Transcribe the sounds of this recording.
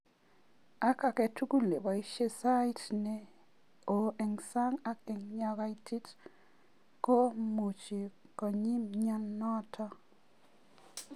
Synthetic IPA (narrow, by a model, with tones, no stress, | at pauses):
a˦ka˨kɛ˨tu˦ku˦le˨ba˨i˦ʃe˦sa˦i˦tne˨ | o˨e˨ŋsa˦ŋa˦ke˨ŋɲa˦˧ka˦i˦tʰi˦t | ko˦mu˨t͡ʃi˨kɔ˨ɲi˦mɲɔ˦nnɔ˦tʰɔ˦